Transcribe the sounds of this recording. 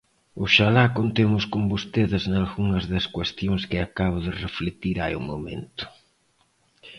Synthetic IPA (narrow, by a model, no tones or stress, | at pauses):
ʊʃalakont̪emʊskombost̪eðɪznalɣuŋɐzðɐskwest̪joŋskɪakaβ̞ʊðɪreflet̪iɾaj̰ʊ̰momḛ̃nt̪ʊ̥